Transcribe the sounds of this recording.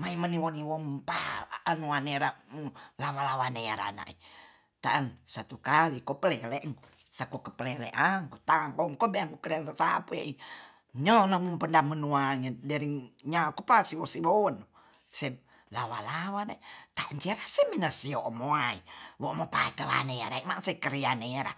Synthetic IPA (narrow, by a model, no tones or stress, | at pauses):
maimaniwoniwompa̰ʔanuaneɾamulawalawaneɾa̰na̰ʔi | t̪aʔːnsat̪ukalikɔpəleleʔŋ | sakokəpəlɛlḛʔaŋkɔt̪aŋkɔŋkɔbɛaŋkukəɾiansasapea̰i | ɲɔnamumpəndamənuaŋedɛɾiŋɲakupasiwosiwono | se | lawalawanait̪aʔant͡ʃeɾaseminasioʔmoaiwoʔmopa̰it̪əla̰neɾa̰imasekəɾianeɾa̰